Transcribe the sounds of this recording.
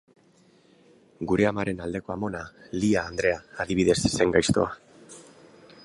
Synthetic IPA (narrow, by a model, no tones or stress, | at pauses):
ɡuɾe̞amaɾe̞nald̪e̞ko̞amo̞naliaːnd̪ɾe̞aːðiβiðe̞sse̞ŋɡajst̪o̞̰a